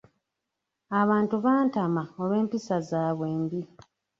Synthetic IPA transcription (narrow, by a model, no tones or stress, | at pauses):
aβaːntuβaːntamaoβwe̞ːmpisazaːβwe̞ːmbi